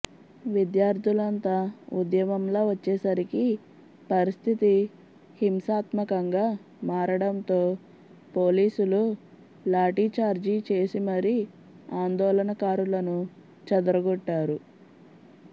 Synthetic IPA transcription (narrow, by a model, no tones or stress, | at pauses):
ʋid̪jaːɾt̪ulɐnt̪ɐud̪jɐmɐmloːʋɐt͡ʃːɛːsɐɾiki | pɐɾist̪ʰit̪i | himsaːt̪mɐkɐŋɡaː | maːɾɐɽɐnt̪o̞ː | po̞ːliːsulu | laːʈit͡ʃaːɾd͡ʒit͡ʃe̞ːsimɐɾi | aːnd̪ɔːlɐnɐkaːɾulɐnu | t͡ʃɐd̪uɾɐɡɔʈːaːɾu